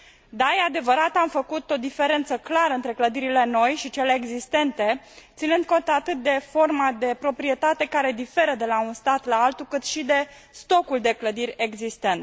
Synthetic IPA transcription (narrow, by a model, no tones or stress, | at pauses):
d̪ajead̪e̞vəɾat̪amfəkut̪o̞d̪ife̞ɾe̞nt̪səklaɾəɨnt̪ɾe̞kləd̪iɾile̞no̞jʃit͡ʃe̞le̞ːɡzist̪e̞nt̪e̞ | t̪sinɨnd̪̚ko̞nt̪at̪ɨt̪̚d̪e̞fo̞rmad̪e̞pɾo̞pɾie̞t̪at̪e̞kaɾe̞d̪ife̞ɾəd̪e̞launst̪at̪laalt̪ukɨt̪ʃid̪e̞ | st̪o̞kuld̪e̞kləd̪iɾʲe̞ɡzist̪e̞nt̪